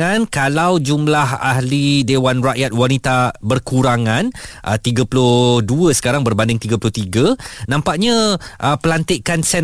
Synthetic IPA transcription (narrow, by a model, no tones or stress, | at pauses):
ankalawd͡ʒumlaha̰hlidewanraʔjat̪̚wanit̪abərkuɾaŋãnʔə̰t̪iɡapulʊhduəsə̥kaɾaŋbərbandɪŋt̪iɡapulʊht̪iɡənãmpaʔɲãʔəpəlant̪ɪʔkansɛn